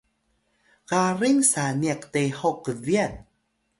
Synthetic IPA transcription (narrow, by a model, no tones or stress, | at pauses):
kariŋsaniəktejhowkəviən